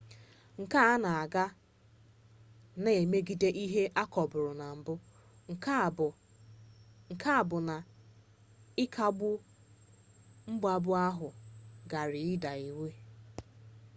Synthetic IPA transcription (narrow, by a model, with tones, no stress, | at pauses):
ŋ̩˨ka˦a˦na˨a˨ɡa˦ | ne˨e˨me˦ɡi˨de˦ʔi˦ɦe˦ʔa˦kɔ˨bʊ˨ɾʊ˨na˨m̩˨bʊ˦ | ŋ̩˨ka˦˨bʊ˨ | kʰa˦˨bʊ˨n˨ | ɪ˦kʰa˦ɡ͡bʊ˦ | m̩˦ɡ͡ba˦bʊ˦a˦ɦʊ˨ɡa˨ɾɪ˨ɪ˦da˨e˨we˦